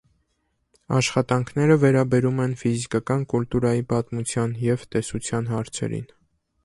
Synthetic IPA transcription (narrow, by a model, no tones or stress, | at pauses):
ɑ̰ʃχɑt̪ɑŋkʰnɛɾəvɛɾɑbɛɾumɛnfizikɑkɑnkult̪uɾɑjipɑt̪mut͡sʰjɑnjɛvt̪ɛsut͡sʰjɑnɦɑɾt͡sʰɛ̰ɾḭn